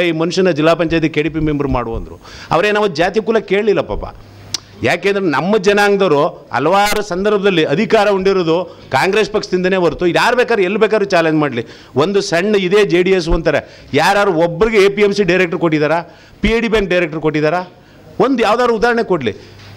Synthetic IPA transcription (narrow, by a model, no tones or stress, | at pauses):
imɐnuʂɐnɐd͡ʒilːaːpɐɲt͡ʃaːjɐt̪ikeːɽip̬imembɐɾma̰ːɽuɐ̰nd̪ɐɾṵ | ɐ̰ʋɐɾe̞ːnaːʋɐd͡ʒaːt̪̬ijɐkuːlɐke̞ːɭlilːɐpa̰ːpːa̰ | jaːkeːnd̪ɾenɐmːɐd͡ʒɐnaːŋɡd̪ɐɾu | ɐ̰lɐʋaːɾɐsɐnd̪ɐɾbʱɐd̪ɐlːiɐd̪ʱikaːɾɐuɳɖiɾoːd̪ukaːŋɡɾeːspɐkʂɐ̥t̪ind̪ɐneːbɐɾut̪ujaːɾubɛːkaːd̪ɾelːubeːkad̪ɾut͡ʃaːleɲd͡ʒmaːɖli | ʋond̪usɐɳːɐid̪eːd͡ʒeːɖies̬uɐnt̪aːɾe | jaːɾaːɾuɔbːɐɾiɡeeːpiemsiɖɐjɾek̚ʈɐɾkoʈːid̪aːɾaː | pieɖiːbjaːŋk̚ɖɐjɾek̚ʈɐɾkoʈːid̪aːɾaː | ond̪ujaːʋd̪aːd̪uud̪aːɾɐɳekoʈlḭ